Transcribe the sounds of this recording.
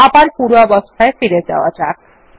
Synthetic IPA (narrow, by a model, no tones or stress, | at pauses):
apaɳpuɾʋabəst̪ʰaefiɾed͡ʒa̰ʋa̰d͡ʒak